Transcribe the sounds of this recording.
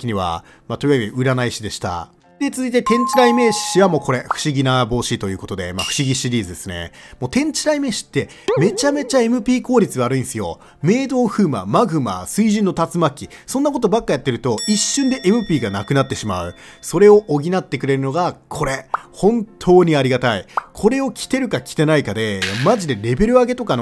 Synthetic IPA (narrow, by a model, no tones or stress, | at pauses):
kʲiɲ̟iβa̰ | mat̪oiβaɡiɯ̟ɾanaiɕid̪e̞ɕi̥t̪a̰ | d̪̥et͡sɨzɨit̪e̞t̪ẽ̞ɲ̟t͡ɕiɾaime̞ɕiβamo̞ːko̞ɾe̞ɸɯ̟̥ɕiɡʲinabo̞ːɕit̪o̞jɯ̟ːko̞t̪o̞d̪e̞ma̰ɸɯ̟̥ɕiɡʲiɕiɾʲiːzɨd̪e̞sɨne̞̰mo̞ːt̪ẽ̞ɲ̟t͡ɕiɾaime̞ːɕi̥t̪ːe̞ | me̞t͡ɕame̞t͡ɕae̞mɯ̟pʲiːko̞ːɾʲit͡sɨβaɾɯ̟ĩñsɨjo̞̰ | me̞ːd̪o̞ːɸɯ̟ːma̰maɡɯ̟ma̰sɨiʑĩnːo̞t̪at͡sɨmakʲːisõ̞nːako̞t̪o̞bakːajat̪ːe̞ɾɯ̟t̪o̞iɕːɨ̃nd̪e̞ʔemɯ̟pʲiːɡanakɯ̟nat̪ːe̞ɕima̰ɯ̟ | so̞ɾe̞o̞ʔoɡʲinat̪ːe̞kɯ̟ɾe̞ɾɯ̟no̞ɡakʰo̞ɾe̞hõ̞nt̪ʰo̞ːɲ̟iaɾʲiɡat̪aikʰo̞ɾe̞o̞kʲi̥t̪e̞ɾɯ̟kakʲi̥t̪e̞naikad̪e̞maʑid̪e̞ɾe̞be̞ɾɯ̟aɡe̞t̪o̞kano